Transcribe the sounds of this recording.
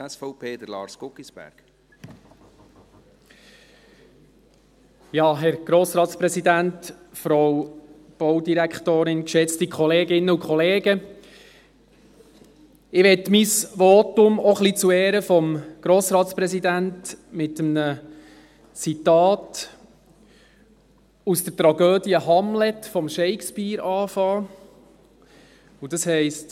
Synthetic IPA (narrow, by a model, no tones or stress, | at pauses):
ɛsfɔʊpʰeːd̥̪əlɑ̰ːɾskʊkisb̥æ̰ɾɡ̥ | jɑːɦɛɾɡ̥ɾoːsɾɑːt̪spɾɛsid̪ænt | fɾow | b̥ɔwd̪iɾækχtoːɾɪnkʃɛt͡stikʰχɔleːɡɪnːəukχɔleːɡə | ɪʋɛtmisʋɔtʊmɔχlit͡suɛːɾəfɔmɡ̥ɾoːsɾɑːt̪spɾɛzidæntmɪtəmnə | t͡sitɑːt | usd̥ət̪ɾɑɡøːdiəɦɑmlɛtfɔmʃɛɪkspiːɾɑːfɑː | ud̥ɑshɛɪst